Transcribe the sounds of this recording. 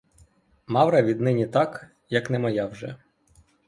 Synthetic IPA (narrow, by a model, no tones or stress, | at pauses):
mɑwɾɐʋʲid̪nɪnʲit̪ɑk | jɐknɛmɐjɑwʒɛ̰